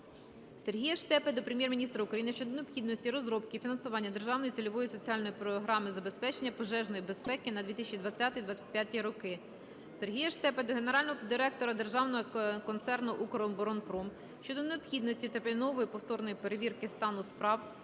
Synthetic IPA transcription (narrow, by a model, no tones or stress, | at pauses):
serɦijɐʃt̪ɛped̪ɔpɾemjɛrmʲinʲist̪ɾɐʊkɾɐjinɪʃt͡ʃɔd̪ɔneɔpxʲid̪nɔsʲtʲiɾɔzɾɔp̚kɪfʲinɐnsʊʋɑnʲːɐd̪e̞rʒɑwnɔjit͡sʲilʲɔʋɔjisɔt͡sʲiɑlʲnɔjipɾɔɦɾɑmɪzɐbe̞spɛt͡ʃenʲːɐpɔʒɛʒnɔjibe̞spɛkɪnɐd̪ʲʋʲit̪ɪsʲt͡ʃʲid̪ʋɐt͡sʲːat̪ɪjd̪ʋɑt͡sʲɐ̥t̚ʲpʲjat̪ʲijɾɔkɪ | se̞rɦijɐʃt̪ɛped̪ɔɦe̞neɾɑlʲnɔɦɔd̪ɪɾɛk̚t̪ɔɾɐd̪e̞rʒɑwnɔɦɔkɔnt̪sɛrnʊʔukɔɾɔmbɔɾɔnpɾɔm | ʃt͡ʃɔd̪ɔneɔbxʲid̪nɔsʲtʲit̪epenɔʋɔjipɔwt̪ɔrnɔjipe̞ɾeʋʲirkɪst̪ɑnʊspɾɑw